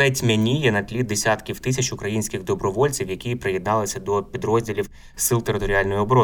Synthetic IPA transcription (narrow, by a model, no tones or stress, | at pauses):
ɛtʲmʲenʲijɛnɐt̪ʲlʲid̪̚d̪esʲat̪kʲiwt̪ɪs̬ʲɐt͡ʃʊkɾɐjinʲsʲkʲɪɣd̪ɔbɾɔʋɔlʲt͡sʲiwjɐkʲipɾɪjɛd̪nɑlˠɪsʲɐd̪ɔpʲid̪ɾɔzʲdʲilʲiw | sɪlˠt̪eɾɪt̪ɔɾʲɪɑlʲnɔjʊɔbɔɾɔ